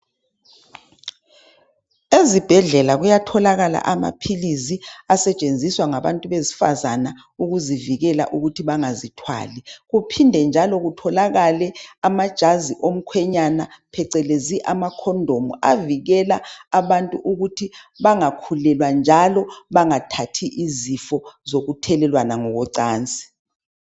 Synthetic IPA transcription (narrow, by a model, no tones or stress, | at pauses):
ezib̥ʱɛɮɛlaɣujatʰɔlaɣala̰ʔama̰pʰiliziasɛt͡ʃʼend͡zʱiswaŋaβa̰ntʼuβezi̥fa̰zana | uɣuziviɣɛla̰ʔuɣutʰiβaŋazitʰwa̰ːlɛɣupʰindʱɛnd͡ʒʱalɔɣutʰɔlaɣalɛamad̥ʒ̥ʱaziʔom̩kʰwɛɲanapʰɛǀɛleziʔamakʰɔndʱomuaviɣɛlaːβantʼuʔuɣutʰiβaŋakʰulɛlwand͡ʒʱalɔβaŋatʰatʰiʔizifɔzoɣutʰɛlɛlwanaŋɔɣɔǀaːnt͡sʼi̥